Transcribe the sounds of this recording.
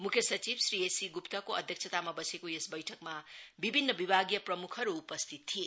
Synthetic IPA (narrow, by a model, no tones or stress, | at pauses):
mukʰjʌsʌt͡ʃibsɾiesiɡupt̪ʌkoʌd̪ʱjʌk̚sʰʌt̪amabʌsekoesbʌjʈʰʌkmabibʱinːʌbibʱaɡijʌpɾʌmukʰʌɾuːpʌst̪ʰit̪ʰːie